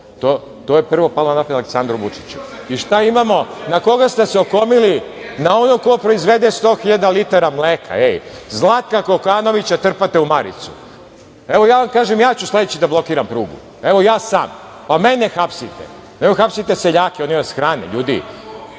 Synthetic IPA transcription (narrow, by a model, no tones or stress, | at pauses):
t̪o | t̪oːjepr̩ʋo̞palonapod̪aleksand̪ɾuʋut͡ʂi̥t͡ɕu | iʃt̪aimamo̞nako̞ɡast̪eseo̞komilinao̞noko̞pɾoizʋe̞d̪est̪o̞ːxiʎad̪alit̪aɾamleːkʰa̰ejzlˠaːt̪̚kako̞kaːno̞ʋit͡ɕat̪r̩pat̪eumaɾḭt̪su̥ | eʋojaːʋamkaːʒemjaːt͡ɕusled̪et͡ɕid̪ablˠo̞kiːɾampɾuːɡṵ | e̞ʋo̞jaːsa̰ːm | pame̞nʲexapsit̪ḛ | nemoxapsit̪eseʎaːkeo̞nimasxɾaːnḛʎuːd̪ḭ